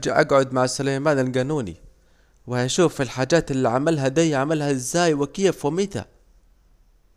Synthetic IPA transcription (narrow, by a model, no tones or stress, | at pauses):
d͡ʒaʔa̰ɡʕʊd̪maʕsʊlajmaːnalɡanuːnḭ | wɪhaʃuːfilħaːd͡ʒaːt̪ɪlːiʕamalɦad̪ajʕamalhaɪzːaːjwɪkɪjafwɪmɪt̪a̰